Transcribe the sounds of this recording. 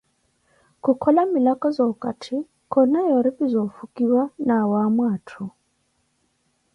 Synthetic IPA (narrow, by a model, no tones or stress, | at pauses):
kukʰɔlamilakɔzɔkatʰi | kʰɔnajɔɾipizɔfukiwanawamwaːtʰu